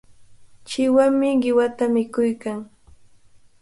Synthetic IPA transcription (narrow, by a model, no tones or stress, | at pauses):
t͡ʃɪwaŋmɪɢɪwat̪amɪkʊjkaŋ